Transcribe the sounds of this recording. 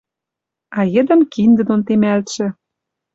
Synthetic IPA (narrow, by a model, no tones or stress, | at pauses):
ɑjə̆d̪ə̆mkind̪ə̆d̪ont̪emælt̪ʃĕ